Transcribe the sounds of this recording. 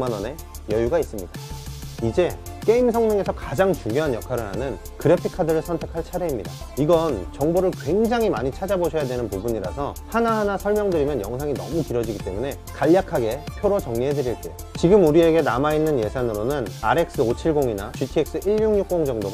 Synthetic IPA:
manʌne̞ | jʌjuɡais͈ɯmɲidaid͡ʑe̞k͈e̞imsʰʌŋɲɯŋe̞sʰʌkad͡ʑaŋt͡ɕuŋjoɦanjʌkʰaɾɯɭɦanɯn | kɯɾe̞pʰikʰadɯɾɯɭsʰʌntʰe̞kʰaɭt͡ɕʰaɾe̞imɲida | iɡʌnt͡ɕʌŋboɾɯɭkwe̞ŋd͡ʑaŋɦimaɲit͡ɕʰad͡ʑaboɕʰʌjadwe̞nɯnpubuɲiɾa̰sʰʌhanaɦanasʰʌɭmjʌŋdɯɾimjʌnjʌŋsʰaŋinʌ̰mukiɾʌd͡ʑiɡit͈e̞mune̞ | kaʎːakʰaɡe̞pʰjoɾot͡ɕʌŋɲiɦe̞dɯɾiɭt͈e̞jo | t͡ɕiɡɯmuɾie̞ɡe̞namainːɯnje̞sʰanɯɾonɯnaɾe̞k̚s͈ɯot͡ɕʰiɭɡoŋinaputʰie̞k̚s͈ɯʔiɭːuŋɲuk̚k͈oŋd͡ʑʌŋdoɡ

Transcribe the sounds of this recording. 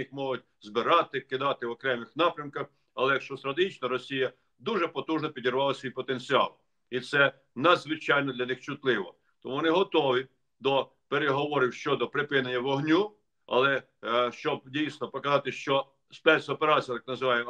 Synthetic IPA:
ixmɔɦʊt̚ʲ | zbɪɾɑt̪ɪkɪd̪ɑt̪ɪʋɔkɾɛmɪxnɑpɾʲɐmkɐx | ɐlˠɛjɐkʃt͡ʃɔst̪ɾɐt̪eɦit͡ʃnɔɾɔsʲijɐ | d̪uʒɛpɔt̪uʒnɔpʲidʲirʋɑlˠɐsʲʋijpɔt̪enʲt͡sʲɪɑ̰lˠ | it̪sɛ | nɐd̪zʋɪt͡ʃɑjnɔd̪lʲɐnɪxt͡ʃʊt̪lˠɪʋɔ | t̪ɔmuʋɔnɪɦɔt̪ɔʋʲi | d̪ɔ | peɾeɦɔʋɔɾʲɪwʃt͡ʃɔd̪ɔpɾɪpɪnenʲːɐʋɔɦnʲu | ɐ̰lˠɛ | ʃt͡ʃɔb̚dʲijsʲnɔpɔkɐzɑt̪ɪʃt͡ʃɔ | spɛt̪sɔpeɾɑt͡sʲijɐt̪ɑ̥knɐzɪʋɑjemɔ

